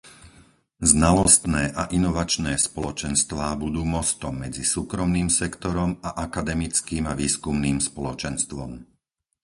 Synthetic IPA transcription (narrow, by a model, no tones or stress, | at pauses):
znalɔst̪nɛːʔaʔinɔʋat͡ʃnɛːspɔlɔt͡ʃɛnst̪ʋaːbud̪uːmɔst̪ɔmːɛd͡zisuːkɾɔmniːmsɛkt̪ɔɾɔmaʔakad̪ɛmit͡skiːmaʋiːskumniːmspɔlɔt͡ʃɛnst̪ʋɔ̰m